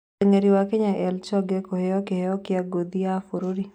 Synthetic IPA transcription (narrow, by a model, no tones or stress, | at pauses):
eŋeɾiwakɪɲaʔɛlt͡ʃɔɡekohɛɔkɪhɛɔkɪaɡod̪iafoɾoɾi